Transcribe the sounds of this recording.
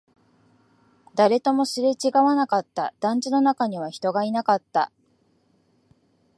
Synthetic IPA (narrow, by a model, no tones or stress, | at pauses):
d̪̥aɾe̞t̪o̞mo̞sɨɾe̞t͡ɕiɡaβanakat̪ːa̰d̪̥ãɲ̟d͡ʑino̞nakaɲ̟iβ̞açi̥t̪o̞ɡainakat̪ːa̰